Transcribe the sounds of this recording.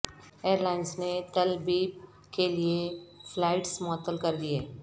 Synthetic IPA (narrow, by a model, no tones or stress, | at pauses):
eːɾlaːɪnsnet̪ɐlbiːb̚ | kelieflaːɪʈsmɔːt̪ːəlkɐɾd̪ieː